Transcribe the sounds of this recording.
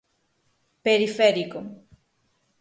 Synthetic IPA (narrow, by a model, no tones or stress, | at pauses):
peɾifɛɾiko